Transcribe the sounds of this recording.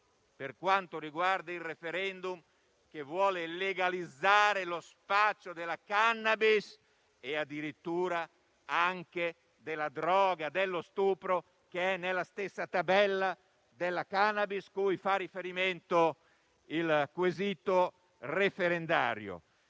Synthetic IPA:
perkwant̪oɾiɡward̪ailrefeɾɛnd̪um | k̟evwɔːleleɡalid̪zːaːɾelospat̪sod̪elakanːabis | ead̪ːiɾit̪ːuːɾa | aŋke | d̪elad̪ɾɔːɡad̪elːost̪uːpɾo | keɛnːelːast̪esːat̪abɛlːa | d̪elːakanːabiskujfarifeɾiment̪o | ilkwezit̪o | refeɾend̪a̰ːɾjo̰

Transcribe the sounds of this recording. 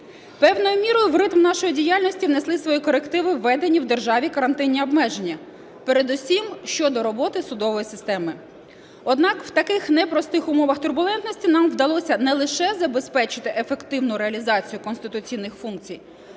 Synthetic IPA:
pɛwnɔjʊmʲiɾɔjʊwrɪt̪mnɑʃɔjidʲijɑlʲnɔsʲtʲiʋneslˠɪsʋɔjikɔɾekt̪ɪʋɪʋːɛd̪enʲiwd̪e̞rʒɑʋʲikɐɾɐnt̪ɪnʲːiɔbmɛʒenʲːɐ | peɾed̪ʊsʲimʃt͡ʃɔd̪ɔɾɔbɔt̪ɪsʊd̪ɔʋɔjisɪst̪ɛmɪ | ɔd̪nɑkw̥t̪ɐkɪxnɛpɾɔst̪ɪxʊmɔʋɐxt̪ʊrbʊlˠɛnt̪nɔsʲtʲinɑmʋd̪ɐlˠɔsʲɐnɛlˠɪʃɛzɐbe̞spɛt͡ʃɪt̪ɪʔefe̞kt̪ɪwnʊɾeɐlʲizɑt͡sʲijʊkɔnst̪ɪt̪ʊt͡sʲijnːɪxfunk̚t͡sʲij

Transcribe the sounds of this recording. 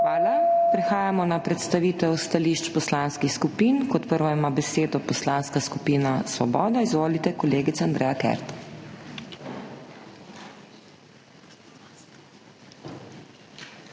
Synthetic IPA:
xʋaːlapɾɛxaːjamɔnapɾɛt̪st̪aʋiːt̪ɛwust̪aliːʃt͡ʃpɔslanskixskupiːnkɔt̪pəɾʋɔjmabɛseːd̪ɔpɔslanskaskupiːnasʋɔbɔːd̪aizʋoːlit̪ɛkɔleːɡit̪saand̪ɾɛjakɛ̰ɾt̪

